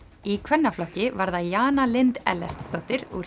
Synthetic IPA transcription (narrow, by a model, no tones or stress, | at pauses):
ikʰvɛnːaflɔhcɪvaɾðajaːnalɪnt̪ɛ̰lːɛ̰r̥t̪st̪oht̪ɪɾṵ